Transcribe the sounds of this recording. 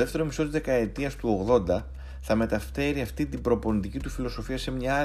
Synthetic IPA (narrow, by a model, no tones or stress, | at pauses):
ðeft̪e̞ɾo̞miso̞t̪izðe̞kɐe̞t̪iɐst̪uo̞ɣðo̞nd̪ɐ | θɐme̞t̪ɐft̪e̞ɾiɐft̪it̪ibɾo̞po̞nit̪icit̪ufilo̞so̞fiɐse̞mɲɐ